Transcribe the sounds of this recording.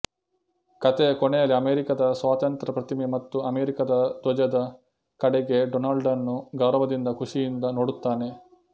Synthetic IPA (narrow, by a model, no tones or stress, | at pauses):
kɐt̪ekɔɳejɐliɐmeːɾikɐd̪ɐsʋaːt̪ɐnt̪ɾɐpɾɐt̪imemɐt̪ːuɐmeːɾikɐd̪ɐd̪ɔd͡ʒɐd̪ɐ | kɐɽɛɡe̞ɖɔnaːlɖɐnːuɡɐwɾɐʋɐd̪ind̪ɐkuʂijind̪ɐnoːɽut̪ːaːne̞